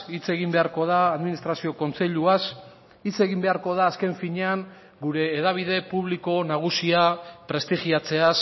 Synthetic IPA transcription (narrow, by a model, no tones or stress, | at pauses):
it͡se̞ɣ̞imbe̞aɾko̞ð̞aːðminist̪ɾasio̞ko̞nt͡se̞ʎuas | it͡se̞ɣimbe̞aɾko̞ð̞aːske̞ɱfiɲe̞aŋ | ɡuɾe̞ːðaβ̞iðe̞puβliko̞naɣ̞usiapɾe̞st̪iʝiat͡se̞as